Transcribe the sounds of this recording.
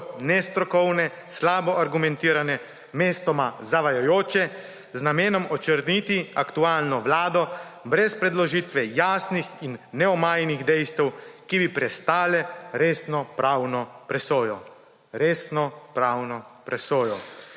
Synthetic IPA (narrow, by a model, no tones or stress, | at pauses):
nɛst̪ɾɔkɔwnɛ | slaːbɔʔaɾɡumɛ̃nt̪iːɾanɛ | meːst̪ɔmazaʋajajoːt͡ʃɛ | znameːnɔmɔt͡ʃəɾnit̪iakt̪uaːlnɔʋlaːd̪ɔ | bɾɛspɾɛd̪lɔʒiːt̪ʋɛjaːsnixinːɛɔmaːjniɣd̪ɛjst̪ɛwkibipɾɛst̪aːlɛɾeːsnɔpɾaːwnɔpɾɛsoːjɔ | ɾeːsnɔpɾaːwnɔpɾɛsoːjɔ